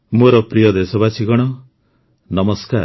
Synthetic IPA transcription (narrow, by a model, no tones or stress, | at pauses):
moɾɔpɾijɔd̪esɔbat͡ʃʰiɡɔɽ̃ɔ | nɔmɔskaɾ